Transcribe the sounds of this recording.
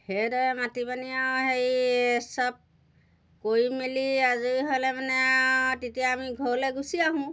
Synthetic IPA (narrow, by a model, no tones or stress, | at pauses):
hedɔjɛmatibanijawhejsɔb̚ | kojmeliazujɦolɛmanɛtetijaːmiɡʱolɛɡusiaɦũ